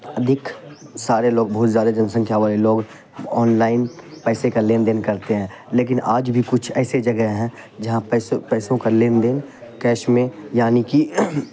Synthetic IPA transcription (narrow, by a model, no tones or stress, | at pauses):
əd̪ʱɪksaːɾeloːɡ̚bɐɦʊt̪zjaːd̪ad͡ʒɐnsə̃ŋkʰjaʋaːleloːɡ | ɔːnlaːɪnpɛːsekaleːnd̪eːnkɐɾt̪eɦɛ̃ː | leːk̬ɪnʔaːd͡ʒbʱikʊt͡ʃʰɛːsed͡ʒɐɡəɦɦɛ̃ | d͡ʒɐɦãpːspɛːsõkaleːnd̪eːnkɛːʃmẽjaːniki